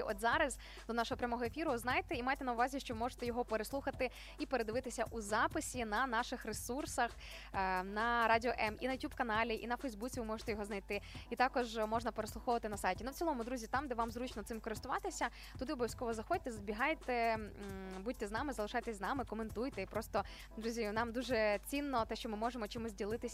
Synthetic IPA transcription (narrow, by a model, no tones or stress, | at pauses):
ʔɔd̪zɑɾɐz | d̪ɔnɑʃɔɦɔpɾʲɐmɔɦɔefʲiɾʊznɑjt̪ɛimajt̪ɛnɐʊʋɑzʲiʃt͡ʃɔʋɪmɔʒe̥t̪ɛjɔɦɔpeɾeslˠuxɐt̪ɪ | ipeɾed̪ɪʋɪt̪ɪsʲɐʔuzɑpɪsʲinɐnɑʃɪxresursɐx | nɐɾadʲɪɔʔɛminɐjʊtʲubkɐnɑlʲiʔḭnɐfɛjzbut͡sʲiʋɪmɔʐe̥t̪ɛjɔɦɔznɐjt̪ɪit̪ɑkɔʒmɔʒnɐpeɾeslˠuxɔʋɐt̪ɪnɐsɑjtʲinuwʲt͡sʲilˠɔmʊd̪ɾuzʲit̪ɑmd̪ɛʋɑmzɾut͡ʃnɔt̪sɪmkɔɾɪst̪ʊʋɑt̪ɪsʲɐ | t̪ʊd̪ɪɔbɔʋʲjɐsʲkɔʋɔzɐxɔd̚ʲt̪ɛzɐbʲiɦɑjt̪ɛ | budʲt̪ɛznɑmɪzɐlˠɪʃajt̪ɛsʲznɑmɪkɔment̪ujt̪ɛipɾɔst̪ɔ | d̪ɾuzʲinɑmd̪uʒɛt͡sʲinːɔt̪ɛʃt͡ʃɔmɪmɔʒemɔt͡ʃimʊzʲdʲilˠɪt̪ɪsʲ